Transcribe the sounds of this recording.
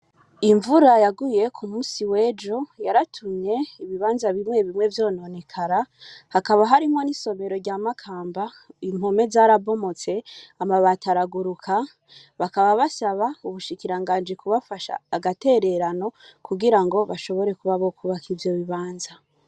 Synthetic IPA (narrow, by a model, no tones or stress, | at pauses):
iɱvuɾajaɡuje̞kʰumuːnsiwe̞ːd͡ʒo̞jaɾatʰumɲe̞iβiβaːnzaβimŋe̞βimŋe̞vjo̞ːno̞ne̞kʰaɾahakaβaɦaɾimŋo̞niso̞me̞ɾo̞ɾɟaːmakʰaːmba | imhome̞zaːɾabo̞mo̞t͡se̞amaβataɾaɡuɾukʰa | βakaβaβasaβauβuʃikiɾaŋɡaːnd͡ʒikuβafaʃa̰ːɡate̞ɾe̞ɾano̞kuɡiɾaŋɡo̞βaʃo̞βo̞ɾe̞kuβaβo̞kʰuβakʰivjo̞βiβaːnza